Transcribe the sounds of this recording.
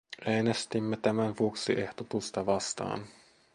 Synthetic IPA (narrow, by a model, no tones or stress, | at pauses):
ʔeːnest̪imːet̪æmænʋuoksiʔe̞ht̪ot̪ust̪ɑʋɑst̪ɑ̰ːn